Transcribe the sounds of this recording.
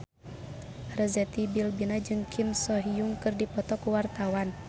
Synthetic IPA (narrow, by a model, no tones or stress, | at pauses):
rəzɛt̪ibilbinad͡ʒɨŋkʰimsɔɦijuŋkɨrdipɔt̪ɔkuwart̪awan